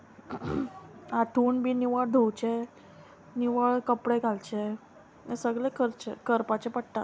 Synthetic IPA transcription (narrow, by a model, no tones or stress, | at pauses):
aʈʰuːɳbʱiːniʋəɭd̪ʱowt͡ɕe | niʋəɭkəpɽeɡʱalt͡ɕe | ḛsəɡɭekʰəɾt͡ɕḛkəɾpat͡ɕepəɽʈ̪a̰t̪